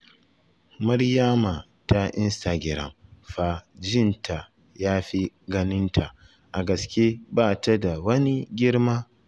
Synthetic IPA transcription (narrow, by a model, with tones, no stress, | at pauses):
mɐ˦ɾja˦ma˨ | ta˦ʔɪ˦nsta˨ɡʲɪ˨ɾɐ̰˨mɸa˦˨d͡ʒɪ˦˨ntʰa˨ | jaː˦ɸi˦ɡɐ˦nɪ˦ntʰa˨ | ʔa˨ɡɐ˨skʲe˦baː˦˨ta˦da˨wɐ˦ni˦ɡʲɪ˦ɽmaː˦